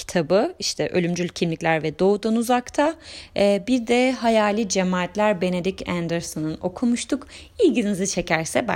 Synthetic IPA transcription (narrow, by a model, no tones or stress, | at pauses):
i̥t̪ʰabɯiʃt̪ʰɛʔølʲymd͡ʒylʲcʰimlʲicʲlʲæɾvɛd̪o̞ud̪anuzakt̪ʰaː | biɾd̪ɛɦajaːlʲid͡ʒemaːt̪ʰlʲæɾbe̞ne̞d̪icænd̪ɛɾsonɯno̞kʰumuʃt̪ʰuk | ilɟininizit͡ʃʰe̞cʰæɾsɛba